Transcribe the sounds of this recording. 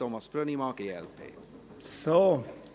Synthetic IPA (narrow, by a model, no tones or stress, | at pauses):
omɐspɾənimɑːkeɛ̰lpʰḛː | so